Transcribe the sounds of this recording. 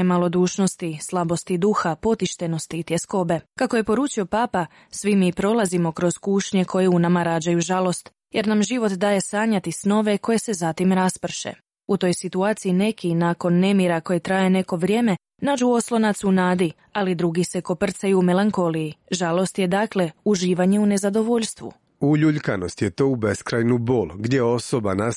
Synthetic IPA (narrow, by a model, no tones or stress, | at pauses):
malˠo̞d̪uːʃno̞st̪islˠabo̞st̪id̪uxapo̞t̪iʃt̪eno̞st̪it̪jesko̞be̞kako̞je̞po̞ɾuːt͡ʃio̞paːpa | sʋimipɾo̞lazimo̞kɾo̞z̥kuːʃɲe̞kʰo̞jeunamaɾaːd͡ʑajuʒalˠo̞st̪ | je̞ɾnamʒiʋo̞t̪d̪aːje̞saːɲat̪isno̞ʋe̞ko̞je̞se̞zat̪imɾaspr̩ʃḛ | ut̪o̞jsit̪uaːt̪sijine̞kinaːko̞nːe̞miɾako̞je̞t̪ɾaːje̞ne̞ko̞ʋɾje̞ːme̞ | naːd͡ʒuo̞slˠo̞nat̪sunaːd̪i | alid̪ɾuɡise̞ko̞pr̩t̪sajuːme̞laŋko̞lijiʒalo̞st̪je̞d̪aːkle̞uʒiːʋaɲe̞une̞zad̪o̞ʋo̞ʎʲst̪ʋṵ | uʎuʎkano̞st̪jet̪o̞ubeskɾajnuboːlɡd̪jeo̞soba̰nas